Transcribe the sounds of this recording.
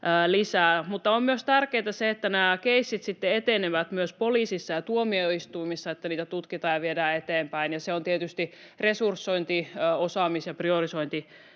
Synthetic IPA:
lisæːmut̪ːɑommyøst̪ærkeːt̪ɑseet̪ːænæːkeisːit̪sit̪ːeet̪eneʋæt̪myøspoliːsisːɑjɑt̪uomioist̪uimisːɑet̪ːæniːt̪æt̪ut̪kit̪ɑjɑʋiedæːet̪eːmpæinjɑseont̪iet̪yst̪i | resursːoint̪iosɑmisjɑpriorisoint̪i

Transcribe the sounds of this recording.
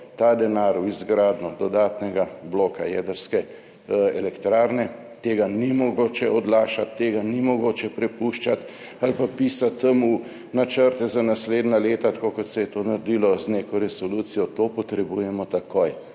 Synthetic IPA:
t̪aːd̪ɛnaːɾuizɡɾaːd̪nɔd̪ɔd̪aːt̪nɛɡabloːkajɛd̪əɾskɛ | ɛlɛkt̪ɾaːɾnɛ | t̪eːɡanimɔɡoːt͡ʃɛɔd̪laːʃat̪ːeːɡanimɔɡoːt͡ʃɛpɾɛpuʃt͡ʃat̪ | alpapisat̪ːəmu | nat͡ʃəɾt̪ɛzanasleːd̪naleːt̪at̪ḁkokɔt̪sɛjɛt̪onaɾd̪ilɔzneːkɔɾɛsɔlut̪sijɔt̪opɔt̪ɾɛbujɛmɔt̪akoj

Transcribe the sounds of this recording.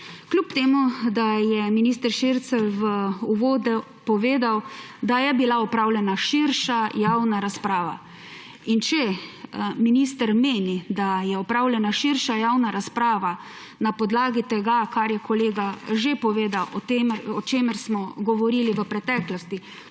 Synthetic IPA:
klʲupt̪eːmud̪ajɛminist̪əɾʃiɾt̪sɛʋəuʋoːd̪ɛ | pɔʋeːd̪awd̪ajɛbilaɔpɾaːwlʲjɛnaʃiɾʃajawnaɾaspɾaːʋa̰ | int͡ʃɛ | minist̪əɾmeːnid̪ajɛɔpɾawlʲɛnaʃiɾʃajawnaɾaspɾaːʋa | napɔd̪laːɡit̪ɛɡakaɾjɛkʰɔleːɡaʒepɔʋeːd̪awɔt̪emɔt͡ʃeːməɾsmɔɡɔʋɔɾiːliʋəpɾɛt̪ɛːklɔst̪i

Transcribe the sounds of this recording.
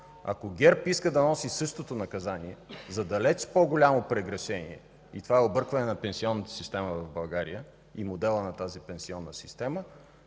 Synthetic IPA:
ɐ̰koɡʲɛɾpiskəd̪ɐnɔsisɤʃt̪ot̪onɐkɐzaniɛzɐd̪ɐlɛt͡ʃpɔɡolʲamopɾɛɡɾɐʃɛnḭɛ̰ | ḭt̪ovaɛobɤɾkvɐnɛnɐpɛnsiɔnːət̪ə̥sist̪ɛməvɐvbɐlˠɡaɾḭjə | imod̪ɛlˠənɐt̪azipɛnsiɔnːəsist̪ɛmə

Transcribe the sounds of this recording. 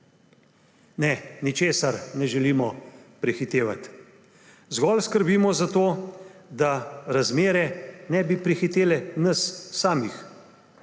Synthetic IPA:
nɛnit͡ʃeːsaɾnɛʒɛliːmɔpɾixit̪eːʋa̰t̪ | zɡɔːlskəɾbiːmɔzat̪oːd̪aɾazmeːɾɛnɛbipɾixit̪eːlɛnəsːaːmix

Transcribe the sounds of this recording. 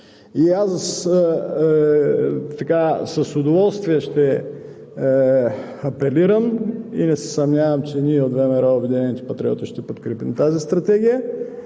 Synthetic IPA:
iass | t̪ɐkasɐsʊd̪ovɔlˠst̪viɛʃt̪ɛ | ɐpɛliɾəmḭnɛsɛ̥sɐmnʲavɐmt͡ʃɛniɛod̪vɛmɛɾaobɛd̪inɛnʲit̪ɛ̥pɐt̪ɾʲiɔ̰t̪iʃt̪ɛpot̪kɾɛpimt̪azist̪ɾɐt̪ɛɡʲijə

